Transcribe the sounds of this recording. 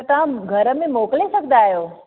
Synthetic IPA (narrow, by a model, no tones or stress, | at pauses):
t̪ãɡʱɐɾəmẽmoːklesəkd̪aːɦjoː